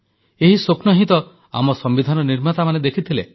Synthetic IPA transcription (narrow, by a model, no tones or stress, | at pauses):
eɦisoknɔɦit̪ɔ | a̰mɔsɔmbid̪ʱanɔniɾmat̪amaned̪ekʰit̪ʰile